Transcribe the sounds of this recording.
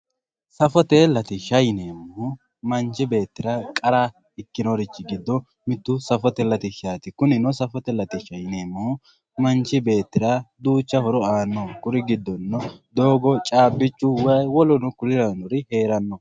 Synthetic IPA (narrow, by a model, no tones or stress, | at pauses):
sɐfɔt̪ɛlɐt̪ɪʃɐjneːmːɔ | mɐnt͡ʃɪbe̞ːt̪ːɪɾɐkʼɐɾa | ɪkːɪnoɾɪt͡ʃːɪɡɪd̪ːɔ | mɪt̪ːʊsɐfɔt̪ɛlɐt̪ɪʃaːt̪ɪkʊnɪnɔsɐfɔt̪ɛlɐt̪ɪʃɐjneːmːɔ | mɐnt͡ʃːɪbe̞ːt̪ːɪɾɐd̪uːt͡ʃːɐhɔɾɔaːnːɔkʊɾɪɡɪd̪ːɔnːɔd̪oːɡɔt͡ʃʼaːbːɪt͡ʃːʊwɐjwɔlɔnʊkʊlɪɾɐnɔɾɪhe̞ːɾɐnːɔ